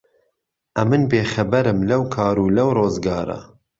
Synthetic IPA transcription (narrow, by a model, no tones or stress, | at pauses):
ʔɐmɨnbeːxɐbɐɾɨmlɐwkʰɑːɾuːlɐwroːzɡɑːɾɐ̰